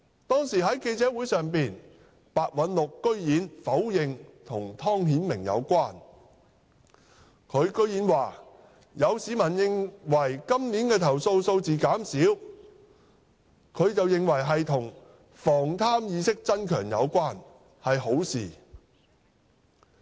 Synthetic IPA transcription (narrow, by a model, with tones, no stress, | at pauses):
t̪ɔː˥ŋsiː˨˩ɦɐ˨˥jke˧jt͡sɛː˨˥wuː˨˥jsœː˨ŋpiː˨n | paː˨˧t̚wɐ˨˧nlʊ˨kːɵ˥ɥjiː˨˥nfɐ˨˥wjɪ˨ŋt̪ʰʊ˨˩ŋt̪ʰɔː˥ŋɦiː˨˥nmɪ˨˩ŋjɐ̰˨˧wkʷaː˥n | kʰɵ˨˧ɥkɵ˥ɥjiː˨˥nwaː˨ | jɐ˨˧wsiː˨˧mɐ˨˩njɪ˨ŋwɐ˨˩jkɐ˥mniː˨˥nkɛː˧t̪ʰɐ˨˩wso˧wso˧wt͡siː˨kaː˨˥msiː˨˥w | kʰɵ˨˧ɥt͡sɐ˨wjɪ˨ŋwɐ˨˩jɦɐ˨jt̪ʰʊ˨˩ŋ | fɔː˨˩ŋt̪ʰaː˥mjiː˧sɪ˥k̚t͡sɐ˥nkʰœː˨˩ŋjɐ̰˨˧wkʷaː˥n | hɐ˨jho˨˥wsḭː˨